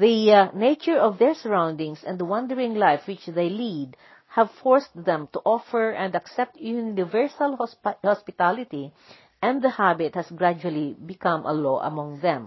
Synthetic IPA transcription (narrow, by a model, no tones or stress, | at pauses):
ðineɪt͡ʃɔɹɔvðɛɹsəɹãwnd̪ɪ̃ŋsɛ̃nd̪əwʌ̃nd̪əɹɪ̃ŋlajfwɪt͡ʃðejlid̪ | hævfɔɹsðɛ̃mt̪uʔɔfɛɹɛ̃nd̪ɐksɛp̚t̪ʰjunnɪvɛɹsalhɔspɪt̪alɪt̪i | ʔɛ̃nd̪d̪ɐhabɪt̪̚hɐsɡɹad͡ʒualibɪkʌ̃mʔɐ̰loʔɐ̰mɔ̃ŋðɛ̃m